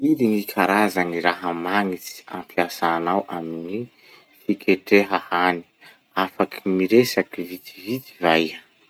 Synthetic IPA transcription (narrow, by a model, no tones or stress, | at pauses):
id̪iŋikʰaɾazaniɾaɦəmaŋit͡si̥a̰mpʰjasaːnawʔamini | fikʲʰeʈ͡ʂeɦahani̥ | afakʰi̥miɾesakivit̪ivit̪ivaj